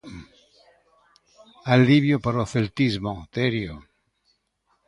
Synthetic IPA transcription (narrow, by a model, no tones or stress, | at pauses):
alːiβjopaɾoθelt̪izmot̪eɾjo